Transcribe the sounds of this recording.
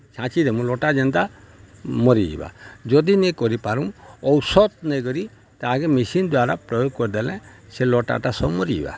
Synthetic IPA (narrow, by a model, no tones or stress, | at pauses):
t͡ʃʰãt͡ʃidɛmũlɔʈad͡ʒɔnd̪a | mɔɾḭba̰d͡ʒɔd̪inekɔɾipaɾumɔwsɔt̪̚nɛɡɔɾi | t̪aakɛmisind̪waɾapɾɔjoɡ̚kɔɾd̪ɛlɛ̃sɛlɔʈa̰ʈasɔmɔɾiḭba̰